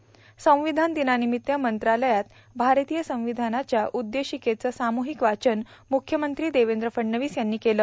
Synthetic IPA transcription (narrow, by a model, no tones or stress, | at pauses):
sə̃w̃ʋid̪ʱand̪inanimit̪ːjəmənt̪ɾaləjat̪ | bʱaɾt̪ijəsə̃w̃ʋid̪ʱanat͡ɕjaʔud̪ːeɕiket͡səːsamuɦikʋat͡ɕənmukʰːjəmənt̪ɾiːd̪eʋend̪ɾəfəɽːəʋiːsjanːiːkeləː